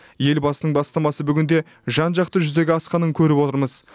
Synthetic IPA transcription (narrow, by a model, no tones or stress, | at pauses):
je̞lbɑsənəɴbɑst̪ɑmɑsəbʏɡʲɪnd̪e̞ | ʒɑnʒɑq̚t̪əʒʏzd̪e̞ɡʲɪɑsqɑnəŋkʲʰɵɾɪpwo̞t̪əɾməz